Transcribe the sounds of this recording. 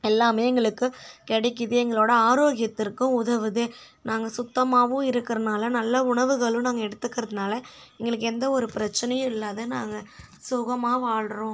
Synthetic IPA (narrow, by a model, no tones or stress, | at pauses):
ɛlːaːmeːɛŋɡɐɭɯkːɯkɛɽɛkːɯðɯɛŋɡɐɭoːɽɐaːɾoːɣɪjɐt̪ːɪɾkːɯ̃ʊðɐʋɯðɯ | naːŋɡɐsʊt̪ːɐmaːʋɯ̃ɪɾɯkːɪɾɐnaːlɐnɐlːɐʊɳɐʋɯɣɐɭɯ̃naːŋɡɐɛɽɯt̪ːɯkːɪɾɐðɯnaːlɐ | ɛŋɡɐɭɯkːɛnd̪ɐɔɾɯpɪɾɐt͡ʃːɐnɐjɯ̃ɪlːaːðɯnaːŋɡɐ | sʊɣɐmaːʋaːɭɾõː